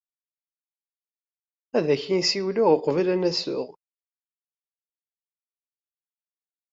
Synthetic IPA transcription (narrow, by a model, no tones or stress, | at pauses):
æðæçinsiwlʊʁəqvælænæsʊ̰ʁ